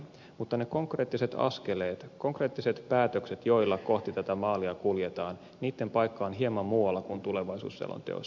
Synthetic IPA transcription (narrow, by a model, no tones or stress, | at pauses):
mut̪ːɑneko̞ŋkre̞ːt̪ːiset̪ɑ̰ske̞leːt̪ko̞ŋkre̞ːt̪ːiset̪pæːt̪økset̪jo̞ilːɑkoht̪it̪æt̪æmɑːliɑkuljet̪ɑːn | niːt̪ːempɑjkːɑːnɦiemɑmmuːɑlːɑkunt̪uleʋɑisṵːsːḛlːo̰nt̪eo̰s